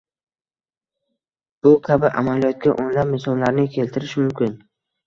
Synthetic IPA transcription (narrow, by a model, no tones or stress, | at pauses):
b̥ʊkʲʰabɪʔa̰malijɒt̪̚kʲa̰ʔonlapmɪsɒllaɾnɪkʲʰe̞lt̪ʰɪɾɪʃmʊmkʲɪn